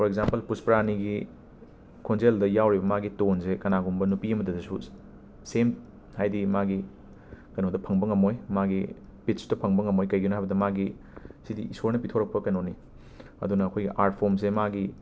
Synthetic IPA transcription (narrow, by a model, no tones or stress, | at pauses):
pʰɔɾek̚zampɐlpuspɾaniɡi | kʰonzeldɐjawɾibɐmaɡitonsekɐnaɡumbɐnupiɐmɐdɐdɐsu | sem | hajdimaɡi | kɐnodɐpʰɐŋbɐŋɐmojmaɡi | pit̚su̥dɐpʰɐŋbɐŋɐmojkɐjɡinoɦajbɐdɐmaɡi | sidiʔisoɾnɐpitʰoɾɐk̚pɐkɐnoni | ɐ̰dunɐːkʰojɡiʔaɾt̚pʰoms̬emaɡi